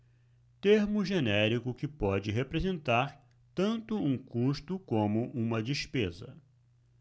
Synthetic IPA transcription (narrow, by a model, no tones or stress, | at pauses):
t̪eɾmʊʒenɛɾikʊkɪpɔd͡ʒɪɦepɾezẽnt̪aɾ | t̪ɐ̃nt̪ʊũkuʃt̪ʊkõmʊʔũmɐd͡ʒispezɐ̰